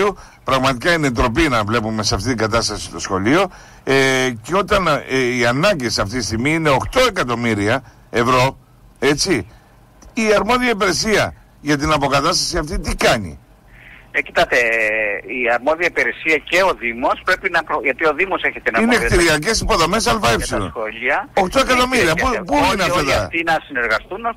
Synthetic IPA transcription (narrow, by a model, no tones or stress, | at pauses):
u | pɾɐɣmɐt̪ikɐinet̪ɾo̞pinɐvle̞pume̞sɐft̪it̪iŋɡɐt̪ɐst̪ɐsist̪o̞sxo̞lio̞ | eceo̞t̪ɐniɐnɐɲɟesɐft̪it̪ist̪iɣmiine̞o̞xt̪o̞e̞kɐt̪o̞miɾiɐ | e̞vɾo̞ | e̞t͡siː | ɐɾmo̞ðiɐipeɾesiɐ | ʝɐt̪̬inɐpo̞kɐt̪ɐst̪ɐsiɐft̪it̪ikɐɲḭ | ecit̪ɐt̪e | iɐɾmo̞ðiɐipiɾesiɐce̞o̞ðimo̞spɾe̞pinɐpɾoʝɐt̪io̞ðimo̞se̞çet̪enɐinnekt̪iɾiɐce̞sipo̞ðo̞me̞s̬ɐlfɐepsilo̰noʎiɐo̞xt̪oe̞kɐt̪o̞miɾiɐpupuinɐft̪eðɐft̪inɐsineɾɣɐst̪un